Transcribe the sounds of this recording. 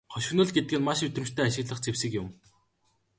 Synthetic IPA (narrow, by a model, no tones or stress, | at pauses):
χɔʃɪ̆xnɵ̆ɮɡet̪̚ɡɘ̆nmaʃɵt̪rɘ̆mt͡ɕt̪ʰæːaɕɪ̆ɣɮə̆χt͡sewsɘ̆kjʊm